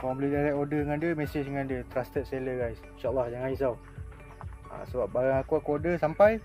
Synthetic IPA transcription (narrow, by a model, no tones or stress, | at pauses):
kaãbəlihdalɛkodəəŋandiəmɛsɪt͡ʃəŋandiət̪ɾast̪ət̪̚seləɡajsinʃaʔalːɑhd͡ʒaŋais̬aw | a̰səbap̚baɾaŋakuakuodəsampaj